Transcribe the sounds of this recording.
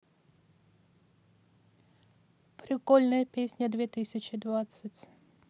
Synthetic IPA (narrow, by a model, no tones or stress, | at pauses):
pɾʲɪkɔlʲnəjəpʲesʲnʲəd̪vʲet̪ɨsʲət͡ɕɪd̪vat̪sətʲ